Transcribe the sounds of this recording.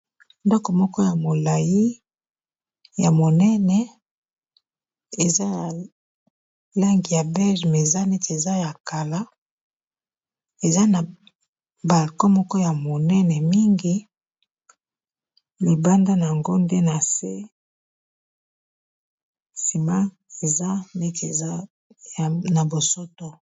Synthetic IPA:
ndɔ˦kɔ˨mɔ˦kɔ˦ja˨mo˨la˨ji˦ | ja˨mo˨nɛ˦nɛ˨ | e˨za˦ja˨ | la˦ŋɡi˨ja˨bɛ˦lʒmɛ˨za˦nɛ˦te˨za˦ja˨ka˨la˦ | e˨za˦na˨ | ba˨lkɔ˦mɔ˦kɔ˦ja˨mo˨nɛ˦nɛ˨mi˦ŋɡi˦ | li˨ba˦nda˦na˨a˨ŋɡo˦nde˦na˨se˦ | si˨ma˦ | e˨za˦nɛ˦te˨a˦˨ | na˨bo˨so˦to˦

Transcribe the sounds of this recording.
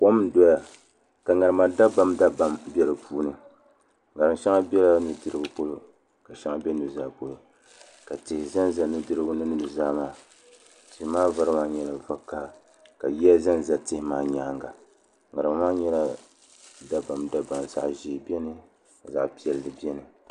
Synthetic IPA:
po˦mdɔ˦ja˨ | ka˨ŋa˨ɾɨ˨ma˨da˦ba˦mda˦ba˦mbʲɛ˦lɨ˨puː˦nɨ˨ | ŋa˨ɾɨ˨mʃɛ˦ŋa˦bʲɛ˦la˦nɨ˨dɨ˦ɾɨ˦bɨ˦k͡po˦lo˦ | ka˨ʃɛ˦ŋa˦bɛ˦nɨ˨zaː˦po˨lo˨ | ka˨tɪ˨hɪ˨za˦nza˦nɨ˨dɨ˦ɾɨ˦bʊ˦nɨ˦nɨ˨bɨ˨zaː˦maː˦ | tɪ˨hmaː˦va˦ɾɨ˦maː˦ɲɛ˦la˨va˦ka˦˨ | ka˨ji˦a˦za˦nza˦tɪ˦hɪ˦maː˨˦ɲaː˨˦ŋɡa˨ | ŋa˨ɾɨ˨ma˨˦maː˦ɲɛ˦la˦ | da˦ba˨mda˦ba˨mza̰˨ʔʒi˨bi˦ɛ˦nɨ˦˨ | za̰˨ʔpi˦ɛ˨ldɨ˨bi˦ɛ˦nɨ˨

